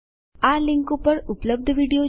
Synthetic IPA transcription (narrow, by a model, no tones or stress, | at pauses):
aliŋkopəɾupləb̚d̪ʱʋiɽijo